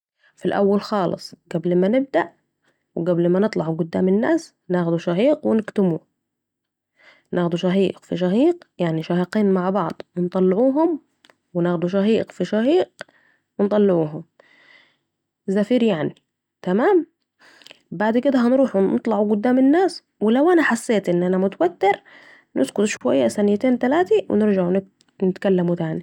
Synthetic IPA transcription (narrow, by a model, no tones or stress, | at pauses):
filʔa̰wːalxɑːlɨ̰sˤɡ̥ablmanɪb̚d̪aʔ | wɪɡæblmænɨt̪ˤlɑʕuɡʊd̪ːa̰ːmɪnːaːs | naːxd̪uʃaħiːqwɪnɪkt̪ɪmuː | nʔaːxd̪uʃaɦiːqfiʃ̬ahiːqjaʕniʃahiqiːnmaʕbɑʕd̪ˤwɪnt̪ˤɑlːʕuːɦʊm | wɪnaːxd̪uʃ̬ahiːqfiʃahiːq | wɪnt̪ˤɑlːɪʕuːɦʊm | zafiːɾjaʕni | t̪amaːm | baʕd̪kɪd̪aɦanɾuːħunɨt̪ˤlɑʕuɡʊd̪ːaːmɪnːaːs | wɪlawʔanaħasːeːt̪ʔɪnːʔanamʊt̪awat̪ːɪɾ | nɪ̰skʊt̪ʃwa̰jːasanɪjt̪eːnt̪alaːt̪iwʔɪ̰nɪɾd͡ʒaʕun | nɪt̪kalːamut̪aʕni